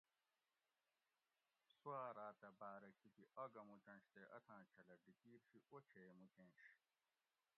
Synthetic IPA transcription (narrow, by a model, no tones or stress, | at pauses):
swaːɾaːt̪ɐbaːɾɐkʰit̪iʔɐɡɐmut͡ɕɐ̃nɕt̪eʔɐ̰t̪ʰãːt͡ɕʰɐlɐɖikiːɾɕiʔot͡ɕʰemukẽːɕ